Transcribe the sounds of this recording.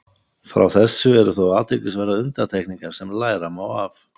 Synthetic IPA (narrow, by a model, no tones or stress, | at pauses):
fɾa̰wθɛsːʏɛɾʏθowaːt̪ʰejcɪsvɛɾaʏnt̪at̪ʰehkniŋkaɾ̥sɛmlaːjɾamawaf